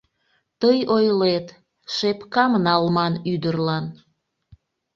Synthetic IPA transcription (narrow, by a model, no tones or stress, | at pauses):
t̪əjojlet̪ | ʃepkɑmnɑlmɑnyd̪ərlɑn